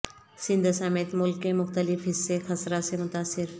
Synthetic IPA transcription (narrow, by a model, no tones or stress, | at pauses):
sɪ̃nd̪ʱsamɪt̪mʊlkːemʊxt̪əlɪfɦɪsːexɐsɾasemʊt̪aːsɪɾ